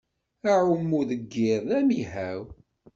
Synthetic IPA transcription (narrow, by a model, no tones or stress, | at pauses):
æʕumːuðəɡːɪɾˤðæmihæw